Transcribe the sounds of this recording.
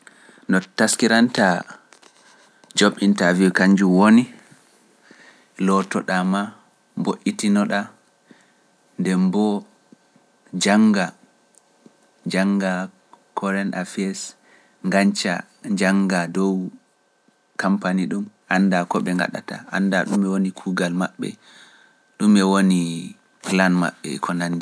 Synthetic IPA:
nɔtaskiɾanta | d͡ʒoɓintaviwkaɲd͡ʒuwoni | lɔtɔɗama | boʔːitinɔɗa | ndɛmbɔ | d͡ʒaŋɡa | d͡ʒaŋɡa | kʰɔɾɛnafiɛs | ŋɡaɲt͡ʃa̰ | d͡ʒaŋɡadɔw | kampaniɗumʔanːdakɔɓɛŋɡa̰ɗa̰ta̰ʔa̰ndaɗumɛwonikʰuːɡalmaɓːɛ̰ | ɗumɛwoni | klanma̰ɓːɛ̰kʰɔnandi

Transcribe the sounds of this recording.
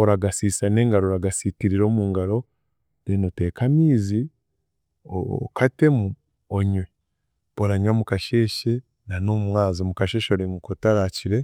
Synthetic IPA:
oɾaɡasiːsane̞ːŋɡaɾoɾaɡasitiɾiɾo̞ːmuːŋɡaɾo̞ | denote̞ːkamiːzi | okate̞mu | oɲwe | boɾaɲwamukaʃe̞ːʃe | nanomumwaːzomukaʃeʃoɾiŋɡukotaɾaciɾe̞

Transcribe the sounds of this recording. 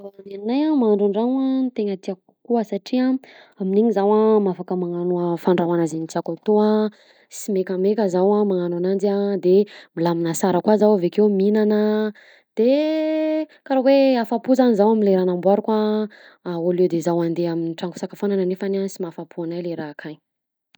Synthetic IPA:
aanannajamaaɳɖ͡ʐaɳɖ͡ʐaŋant̪eŋat̪iakukuəsaʈ͡ʂia | amineɲizawamafakəmaŋanuəfaɳɖ͡ʐawanazenit͡sakat̪oa | simekəmekəzawamaŋananand͡ziad̪emilaminasaɾəkwazawavekewminanə | d̪̥e | kaɾoweafapuzanizawaminleɾanambwaɾuka | aolewd̪ezawand̪eaminiʈ͡ʂaŋku̥sakafananənefanansimafapʰuanajleɾakʰaj

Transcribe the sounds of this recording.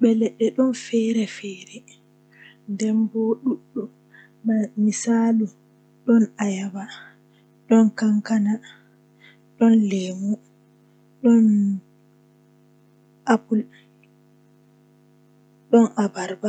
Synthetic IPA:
ɓɛlɛɗːɛɗɔnfɛɾɛfɛːɾɛ | ndɛnbɔɗuɗːɔ | mamisaːlu | ɗɔnajaba | ɗɔnkaŋkana | ɗɔnleːmu | ɗɔn | ʔapul | ɗɔnʔabaɾba

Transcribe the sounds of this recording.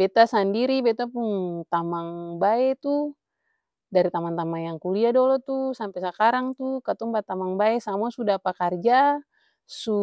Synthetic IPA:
bɛt̪asandiɾibɛt̪apuŋt̪amaŋbaɛt̪u | daɾit̪amaŋt̪amaŋjaŋkuliadɔlɔt̪usampɛsakaɾaŋt̪ukat̪ɔŋbat̪amaŋbaɛsamuasudapakard͡ʒa | su

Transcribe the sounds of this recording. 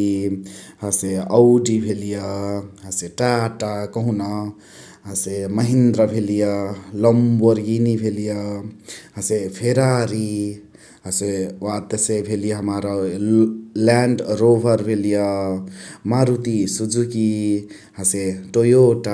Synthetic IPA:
ɦaseʌwɖibʱelijʌɦaseʈaʈakʌɦunʌ | ɦʌseməɦind̪ɾʌbʱelijʌlɔmboɾɡinibʱelijʌ | ɦəsepʰeɾaɾi | ɦasewat̪ːesebʱelijʌɦəmaɾɔ | laɳɖɾobʱʌɾbʱelijʌ | maɾut̪isud͡zuki | ɦaseʈojoʈa

